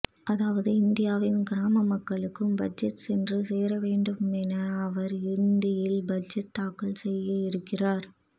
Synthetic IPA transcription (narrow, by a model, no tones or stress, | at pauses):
ʔɐðaːʋɐðɯɪnd̪ɪjaːʋɪnɡɪɾaːmɐmɐkːɐɭɯkːɯmbɐd͡ʒɐt̪sɛndrɯseːɾɐʋeːɳɖɯmɛnɐːʋɐɾɪɾɯnd̪ɪjɪlbɐd͡ʒɐt̪ːaːkɐɭsɛjːɐɪɾɯkːɪraːɾ